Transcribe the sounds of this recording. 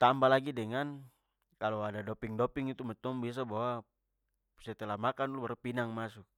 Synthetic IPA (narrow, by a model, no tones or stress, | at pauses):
t̪ambalaɡidɛŋan | kalɔadadɔpiŋdɔpiŋit̪umɛt̪ɔŋbias̬abawa | sɛt̪ɛlamakanlubaɾupinaŋmasuk̚